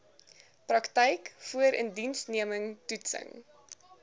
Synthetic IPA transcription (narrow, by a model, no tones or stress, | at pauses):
prɐktɛjkfuəɾəndinsniəməŋtutsə̰ŋ